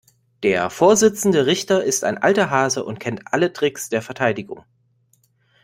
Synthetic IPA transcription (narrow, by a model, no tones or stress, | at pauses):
d̥eːɐfoːɐzɪt͡sn̩dəʁɪçtɐʔɪsta̰ɪnʔa̰ltɐɦaːzəʔʊ̰ntkʰɛntʔalətʁ̥ɪksd̥eːɐfɛɐtʰaɪdɪɡʊŋ